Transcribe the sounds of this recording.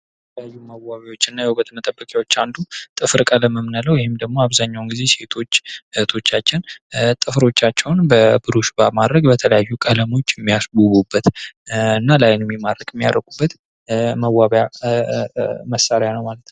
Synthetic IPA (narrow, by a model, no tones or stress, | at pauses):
j | tət̪ʰələjajːuməwaβawo̞t͡ʃːɪnːajɛhuət̪ʰmət̪ʼəbːəkʼjawo̞t͡ʃːand̪ut̪ʼɨfɾkʼələməmnələwjɪhɪmd̪əɡmo̞aβzaɲːawnɡize̞se̞t̪ʰo̞t͡ʃːt̪ʰo̞t͡ʃːat͡ʃːɪnt̪ʼɨfɾo̞t͡ʃːat͡ʃːɛwnbəbɨɾuʃbamad̪ɾəɡbət̪ʰələjajːukʼələmo̞t͡ʃːjɪɛmːijasbuβubːət̪ɨnːalajnmːimad̪əkʼɪmːija̰ɾəɡʼubːət̪ | məwːaβja | məsːaɾjanəwmalət̪nəw